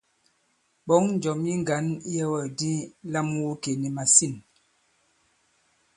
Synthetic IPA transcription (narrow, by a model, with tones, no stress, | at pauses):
ɓɔ˨˦ŋn˦d͡ʒɔ˨mji˦ŋɡa˨˦n˦jɛ˦wɔ˦˨di˦la˦mwu˦ke˨ni˨ma˨si˦˨n